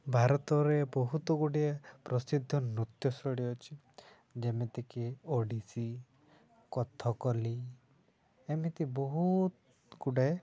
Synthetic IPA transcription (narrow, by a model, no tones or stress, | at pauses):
bʱaɾɔt̪ɔɾebɔɦut̪ɔɡuɽiapɾɔsid̪ʱːɔnɾut̪jɔsɔɽiɔt͡ʃʰi | d͡ʒemet̪ekioɖisi | kɔt̪ʰɔkɔli | emit̪ibɔɦut̪ | ɡuɽaj